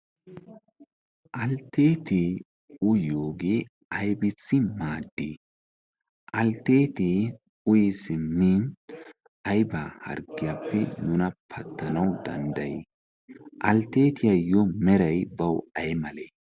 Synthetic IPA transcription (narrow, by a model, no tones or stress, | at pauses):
ʔɐlt̪ːeːt̪eː | ʊjoːɡeː | ʔɐjbɪt͡sːɪmaːd̪ːḛː | ʔɐlt̪ːe̞ːt̪eː | ʊjɛsɪmːiːn | ʔɐjbaːhɐ̰ɾɡɪjapːɛnʊnɐpʰɐt̪ːɐnɐwd̪ɐ̰nd̪ɐjeː | ʔɐlt̪ːeːt̪ɪjɐjɔmɛɾɐjbɐwɐjmɐleː